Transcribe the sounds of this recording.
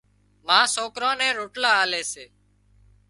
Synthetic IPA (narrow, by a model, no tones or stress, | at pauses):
mãːsoːkɾõːnɛ̃ːɾoːʈlaːaːleːseː